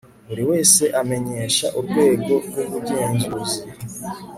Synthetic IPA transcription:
uɾiwe̞ːse̞ʔame̞ɲe̞ːʃaʔuɾɡwe̞ːɡo̞ɡwoβuɟeːɲzuzi

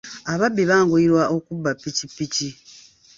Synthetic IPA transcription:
aβabːiβaːŋɡoiɾwaʔo̞kubːapːicipːici

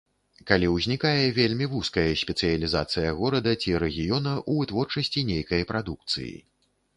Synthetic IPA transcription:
kalʲiwzʲnʲikajɛvʲelʲmʲivuskɐjɛsʲpʲɛt̪sɨjɐlʲizat̪sɨjɐɣɔɾɐd̪ɐt͡sʲiɾɛɣʲijɔnɐʔuvɨt̪vɔrt͡ʂɐsʲt͡sʲinʲejkɐjɐpɾʔad̪uk̚t̪sɨ̰jḭ

